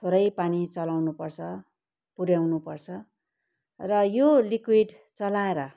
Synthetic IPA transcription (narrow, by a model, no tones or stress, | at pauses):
t̪ʰoɾʌjpanit͡sʌlawnupʌrt͡sʰʌ | puɾjawnupʌrt͡sʰʌ | rʌjolikwiɖ | t͡sʌlaeɾʌ